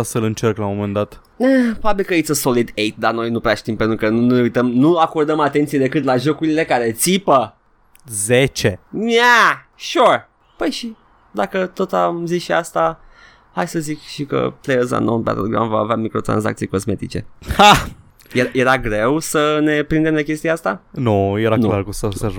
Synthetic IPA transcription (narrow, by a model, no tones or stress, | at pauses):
selɨnt͡ʃerklamomend̪at̪ | əpɾobabilkəet̪sʲoso̞lid̪ejt̪̚d̪ano̞jnupɾeaʃt̪impe̞nt̪ɾukənununeujt̪əmnuako̞rd̪əmat̪e̞nt̪sijed̪e̞kɨt̪laʒo̞kuɾile̞kaɾe̞t̪sipə | zet͡ʃena | ʃur | pəjʃi | d̪akət̪o̞t̪amzisʃiast̪a | hajsəzikʃikə̰plejəza̰nonpɛ̰t̪əloɡɾa̰mvaːveamikɾo̞t̪ɾa̰nza̰k̚t̪sijko̞zme̞t̪it͡ʃe̞̰ha | jeje̞ɾaɡɾe̞wsəne̞pɾind̪e̞mlekʲest̪iaast̪anujeɾanlaɾkusəsə